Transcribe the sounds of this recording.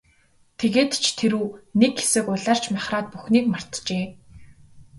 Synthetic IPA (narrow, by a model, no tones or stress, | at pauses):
t̪ʰeɣeːt̪t͡ɕʰt̪ʰeɾuːnekxe̥sɘ̆kʊɮaːr̥t͡ɕʰmaχraːt̪̚puxniːkmar̥t̪t͡ɕeː